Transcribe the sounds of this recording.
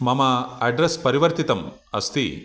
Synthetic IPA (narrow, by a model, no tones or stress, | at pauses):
mɐmɐɐɖɾɐspɐɾiʋɐɾt̪it̪ɐmɐ̰st̪ḭ